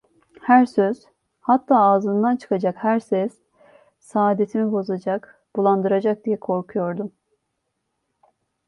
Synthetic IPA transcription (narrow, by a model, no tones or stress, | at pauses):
hæɾsøz̥ | hat̪ʰːaːaːzɯnd̪ant͡ʃʰɯ̥kʰad͡ʒakhæɾsɛz̥ | saːd̪e̞t̪ʰimibo̞zad͡ʒak | b̥ulˠand̪ɯɾad͡ʒak̚d̪ijɛkʰo̞ɾkʰujo̞ɾd̪um